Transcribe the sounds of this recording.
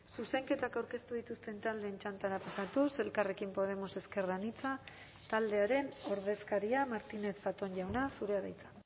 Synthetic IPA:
suse̞ŋke̞t̪akawɾke̞st̪uð̞it̪ust̪e̞nt̪ald̪e̞ːnt͡ʃant̪aɾapasat̪use̞lkare̞kimpo̞ðe̞mo̞se̞ske̞ranit͡sa | t̪ald̪e̞aɾe̞no̞ɾð̞e̞skaɾiamaɾt̪ine̞θfat̪onʝawnasuɾe̞aðajt͡sḁ

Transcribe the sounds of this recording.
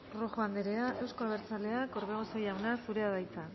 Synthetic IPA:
roxoand̪eɾeaʔewskoaβ̞eɾt͡sale̞ako̞ɾβeɣosejawnasuɾe̞aðajt͡sa

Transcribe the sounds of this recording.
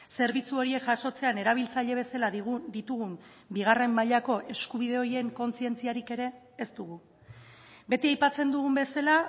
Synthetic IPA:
se̞ɾβit͡suo̞ɾie̞kʝaʃo̞t͡se̞ane̞ɾaβ̞ilt͡saʎe̞β̞e̞salaðɣd̪it̪uɣum | biɣ̞are̞mːaʎako̞ʔe̞skuβ̞ið̞e̞o̞ɾje̞ŋko̞nt͡sie̞nt͡siaɾike̞ɾe̞ː | st̪uɣu | be̞t̪iajpat͡se̞nd̪uɣumbe̞sala

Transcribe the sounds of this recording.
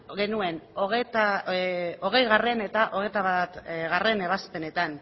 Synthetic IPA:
ɣe̞nue̞noɣet̪a | o̞ɣ̞e̞jɣare̞ne̞t̪aʔo̞ɣ̞e̞jt̪aβat̪ɣare̞ne̞β̞aspe̞ne̞t̪an

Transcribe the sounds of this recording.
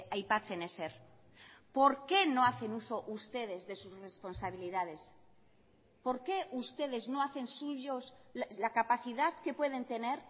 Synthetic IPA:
ajpat͡sene̞seɾ | po̞ɾke̞no̞aθe̞nuso̞ʔust̪e̞ð̞e̞zðe̞susre̞spo̞nsaβ̞iliðað̞e̞s | po̞ɾke̞ust̪e̞ð̞e̞zno̞aθe̞nsuʝoslakapaθiðaðke̞pwe̞ðe̞nt̪e̞ne̞ɾ

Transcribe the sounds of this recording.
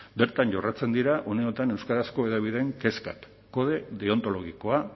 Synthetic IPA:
be̞ɾt̪anɟo̞rat͡se̞nd̪iɾaʔo̞neo̞t̪ane̞wskaɾasko̞e̞ð̞aβ̞iðeŋke̞ska̰kː | o̞ð̞e̞ðeo̞nt̪o̞lo̞ɣiko̞a

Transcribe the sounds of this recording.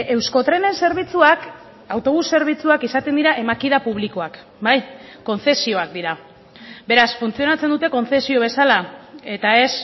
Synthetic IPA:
e̞wsko̞t̪ɾe̞ne̞nse̞ɾβ̞it͡suak | awt̪o̞β̞usːe̞ɾβ̞it͡suakisat̪end̪iɾaʔe̞makiðapuβ̞liko̞ak | bajko̞nθe̞sio̞ak̚d̪iɾa | be̞ɾasfunt͡sio̞nat͡se̞nd̪ut̪e̞ko̞nθe̞sio̞β̞e̞salae̞t̪ae̞s

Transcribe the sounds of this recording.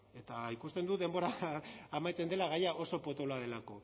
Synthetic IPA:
e̞t̪aikust̪e̞nd̪uðe̞mbo̞ɾaːmajt͡se̞nd̪e̞laɣ̞ajaʔo̞so̞po̞t̪o̞laðe̞lako̞

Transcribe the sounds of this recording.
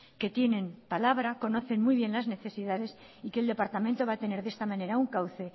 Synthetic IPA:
ke̞t̪je̞nẽ̞mpalaβ̞ɾako̞no̞θe̞nmujβ̞je̞nlazne̞θe̞siðaðe̞s | ike̞ld̪epaɾt̪amẽnt̪o̞βaːt̪e̞ne̞ɾðe̞st̪amãne̞ɾauŋkawθe̞

